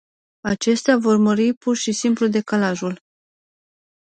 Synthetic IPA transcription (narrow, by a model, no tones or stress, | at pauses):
at͡ʃe̞st̪eavo̞rməɾipurʃisimplud̪e̞kalaʒul